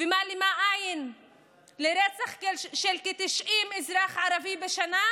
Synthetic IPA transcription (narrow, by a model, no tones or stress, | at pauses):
vemalimaʔajin | leɾet͡saχkeʃelket̪iʃʔimizɾaχʕaɾavibeʃana